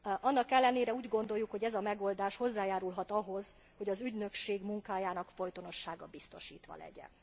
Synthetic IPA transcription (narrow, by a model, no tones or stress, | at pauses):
ɒnːɒkɛlːɛneːɾɛuːɟɡo̞nd̪o̞jːukho̞ɟɛzɒmɛɡoːld̪aːʃho̞zːaːjaːɾulɦɒt̪ɒɦo̞z̥ | ho̞ɟɒzyɟnø̞kʃeːɡmuŋkaːjaːnɒkfo̞jt̪ono̞ʃːaːɡɒbist̪o̞̰ʃḭːt̪ʋɒ̰lɛ̰ɟɛ̰n